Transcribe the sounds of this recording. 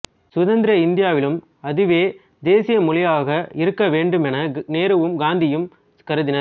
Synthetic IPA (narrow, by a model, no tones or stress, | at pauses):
sʊðɐnd̪ɪɾɐɪnd̪ɪjaːʋɪlɯm | ɐðɯʋeː | d̪eːsɪjɐmʊɭɪjaːɣɐɪɾɯkːɐʋeːɳɖɯmɛnɐneːɾɐʋɯmɡaːnd̪ɪjɯm | kɐɾɯðɪnɐ